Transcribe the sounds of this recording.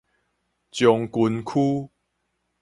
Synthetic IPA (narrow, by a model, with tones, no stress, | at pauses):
t͡ɕjɔ˨˩ŋku˨˦nkʰu˦